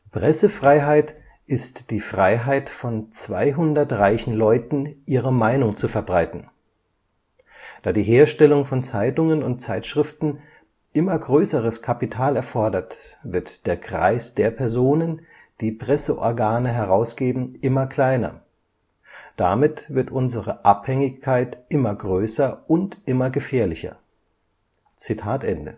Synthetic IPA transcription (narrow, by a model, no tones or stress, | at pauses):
pʁ̥ɛsəfʁ̥aɪɦaɪt | ʔɪstd̥iːfʁ̥aɪɦaɪtfɔnt͡sv̥a̰ɪɦʊndɐtʁaɪçn̩lɔʏtn̩ʔiːʁəmaɪnʊŋt͡sufɛɐbʁaɪtn̩ | d̥aːdiːɦeːɐʃtɛlʊŋfɔnt͡saɪtʊŋənʊnt̚t͡saɪtʃʁ̥ɪftn̩ | ʔɪmɐɡʁøːsəʁəskʰapitʰaːlɛɐfɔɐdɐtvɪɐtd̥eːɐkʁ̥a̰ɪsd̥eːɐpʰɛɐzoːnən | d̥iːpʁ̥ɛsəʔɔɐɡaːnəɦɛʁaʊsɡ̥eːbm̩ʔɪmɐkl̥aɪnɐ̰ | d̥amɪtv̥ɪɐtʔʊnzəʁəʔaphɛŋɪçkʰːaɪtʔɪmɐɡʁøːsɐʔʊntʔɪmɐɡəfeːɐlɪçɐ̰ | t͡sitʰaːtʔɛndə